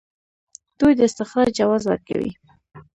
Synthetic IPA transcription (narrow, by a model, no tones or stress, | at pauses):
d̪̥ujd̪əɪst̪ɪxɾɑɾd͡ʒawɑzwa̰ɾka̰wḭ